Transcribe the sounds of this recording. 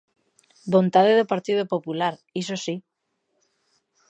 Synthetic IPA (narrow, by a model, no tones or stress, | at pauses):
bont̪að̞eðopaɾt̪ið̞opopulaɾisosi